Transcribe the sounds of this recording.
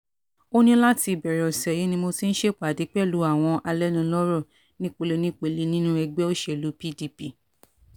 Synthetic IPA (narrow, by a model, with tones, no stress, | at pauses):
o˦nĩ˦la˦ti˧˨bɛ˨ɾɔ˨sɛ˨ji˨˦nĩ˧mo˧ti˦n̩˦ʃe˦˨k͡pa˨di˨˦k͡pɛ˦˨lu˨˦a˦˨w̃ɔ̃˧ʔa˧lɛ˦nĩ˧lɔ˦ɾɔ˦˨ | nĩ˦k͡po˧le˧nĩ˦k͡pe˨li˨˧˦nĩ˦nũ˦ɛ˧ɡ͡bɛ˦o˦ʃe˦˨lu˨˦pi˦˨di˧pi˦˨